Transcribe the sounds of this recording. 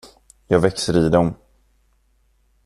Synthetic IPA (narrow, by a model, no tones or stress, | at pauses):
jɑːɡvɛksəɾiːd̪ɔm